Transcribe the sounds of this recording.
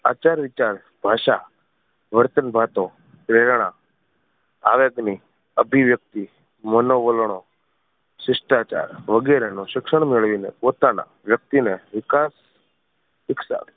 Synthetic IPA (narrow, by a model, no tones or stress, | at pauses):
at͡ʃaɾʋɪt͡ʃaɾ | b̥ʱaʃa | ʋəɾt̪ənbʱat̪õ | pɾeɾɽ̃a̰ | a̰ʋeɡni | əbʱiʋjək̚t̪i | mənoʋəlɳ̃o | sɪʃʈat͡ʃa̰ɾʋəɡɛɾenoʃɪkʃəɳ̃meɭʋinḛpot̪ana̰ | ʋjək̚t̪ineʋɪkas | ɪksa̰